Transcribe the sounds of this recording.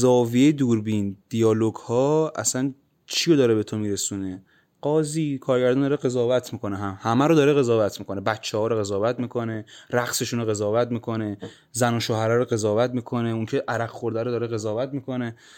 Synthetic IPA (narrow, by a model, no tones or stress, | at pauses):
zɒːvijejed̪uːɾbind̪̥ijɒːloɡhɒːæ̰sæn | t͡ʃʰijod̪ɒːɾebe̞t̪ʰomiːɾe̞suːne | ɢ̥ɒːziːkʰɒːɾɟæɾd̪ɒnd̪ɒːɾeɣe̞zɒːvæt̪ʰmikʰo̞neɦæmhæmæɾod̪ɒːɾeɣe̞zɒːvæt̪ʰmiːkʰo̞nebæt̪t͡ʃʰːehɒːɾoɣe̞zɒːvæt̪miːkʰo̞ne̞ɾæqse̞ʃunoɣe̞zɒːvæt̪miːkʰo̞ne̞ | zænoʃohæɾæɾoɣe̞zɒːvæt̪miːkʰo̞neuŋcʰeʔæɾæɡxo̞ɾd̪æɾod̪ɒːɾeɣe̞zɒːvæt̪miːkʰo̞ne